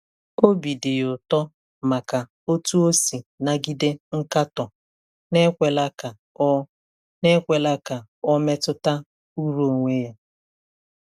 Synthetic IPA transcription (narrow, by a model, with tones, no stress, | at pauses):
o˦bi˨dɪ˨jʊ˨tɔ˦ | ma˨ka˨ | o˦tu˦o˦si˨na˨ɡi˦de˦ŋ̩˦ka˦tɔ˨ | ne˦kʷe˨la˦ka˨˦ | ne˦kʷe˨la˦ka˨ɔ˦me˦tʊ˦ta˦ | u˦ɾo˨ŋʷe˦ja˦